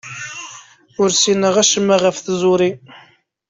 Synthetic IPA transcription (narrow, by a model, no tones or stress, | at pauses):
ʊɾsinəʁæʃəmːaʁəfθzˤʊɾi